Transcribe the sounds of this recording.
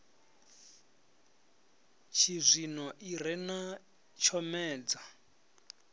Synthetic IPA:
t͡ʃʰizʷinɔʔirɛna | t͡ʃʰɔmɛːd͡za

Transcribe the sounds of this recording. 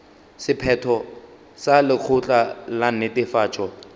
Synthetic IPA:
sɪpʰɛtʰɔ | salɪk͡xʰʊt͡ɬʼalanɪtɪfaːt͡ʃʼɔ

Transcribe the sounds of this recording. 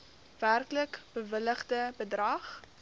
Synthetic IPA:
værkləkb̥əvələχdəbədrɐχ

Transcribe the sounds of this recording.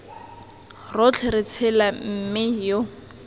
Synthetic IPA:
rot͡ɬʰɪrɪt͡sʰɪlam̩mɪjo

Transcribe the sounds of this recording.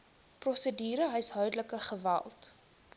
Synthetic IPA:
prɔsədiːɾəɦəjsɦœɥdələkəχəvæ̰lˠt

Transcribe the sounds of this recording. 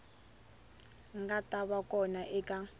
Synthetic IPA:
ŋɡatʼaβakʼɔnaʔɛkʼa

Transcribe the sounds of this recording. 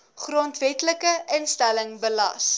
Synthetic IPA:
χrontvɛtləkəʔənstæləŋbəlɐ̰s

